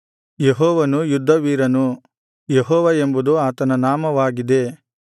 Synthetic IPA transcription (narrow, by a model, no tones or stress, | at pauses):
jeɦɔːʋɐnujud̪ʱːɐʋiːɾɐnu | jeɦɔːʋɐembud̪uaːt̪ɐnɐnaːmɐʋaːɡid̪e̞